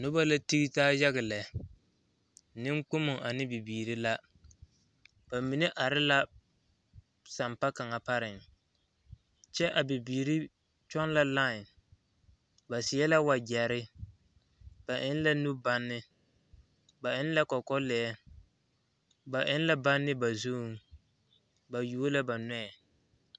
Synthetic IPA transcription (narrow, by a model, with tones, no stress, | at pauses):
nʊ˦ba˦la˦ti˦ɣi˦taː˦ja˦ɣɪ˨lɛ˨ | nɪ˦ŋ˦k͡pʊ˦mʊ˨ŋʔa˨nɪ˦bi˨biː˨ɾi˦la˦ | b̥a˨mi˨ne˦ʔa˨ɾɪ˦la˦ | sa˨mpa˦ka˨ŋa˨pa˦ɾɪ˨ŋ | t͡ʃɛ˦ʔa˨bi˨biː˨ɾi˦ | t͡ʃɔ˦n˦la˦lãː˦˨ | ba˨sɪ˨ɛ˦la˦wa˨ɡɛ˨ɾɪ˦ | b̥a˨ʔɪ˦n˦la˦nu˦ba˦nːɪ˦ | ba˨ʔɪ˦n˦la˦kɔ˨kɔ˦lɛ˨˦ɛ˦ | ba˨ʔɪ˦n˦la˦ba˦nːɪ˦ba˨zu˦˨ŋ | ba˨ju˦o˦la˦ba˨nɛ˦ɛ˨